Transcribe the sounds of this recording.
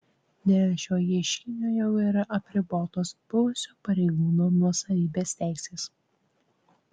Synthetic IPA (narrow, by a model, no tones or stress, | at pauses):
d̪ʲɛlʲʃʲoːjiɛʃʲkʲɪnʲoːjɛʊiːɾɐʔɐpʲɾʲɪboːt̪oːsb̥ʊʋʊsʲoːpɐɾʲɛɪɡuːnoːnuɔsɐʋʲiːbʲeːst̪ʲæˑɪsʲeːs